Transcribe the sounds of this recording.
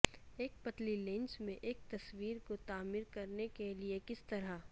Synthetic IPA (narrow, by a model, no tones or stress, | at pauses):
eːk̚pɐt̪lilẽnsmẽʔeːk̚t̪ɐswiːɾkot̪aːmɪɾkɐɾnekeliekɪst̪ɐɾa